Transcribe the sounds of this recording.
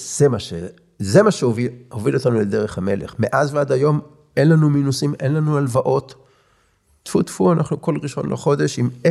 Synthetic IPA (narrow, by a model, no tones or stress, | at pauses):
z̥emaʃe | zemaʃeovihovilo̞t̪anuled̪eʁ̞eχhame̞leχmeʔazvead̪ajo̞m | ʔe̞nlanuminusimʔe̞nlanualvaʔo̞t̪ː | fut̪fuanʔaχnuko̞lʁiʃo̞̰nlʔḛχo̞d̪e̞ʃime